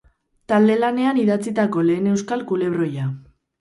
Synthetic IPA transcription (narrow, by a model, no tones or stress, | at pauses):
t̪ald̪e̞lane̞aniðat͡sit̪ako̞le̞ːne̞wskalkule̞β̞ɾro̞ja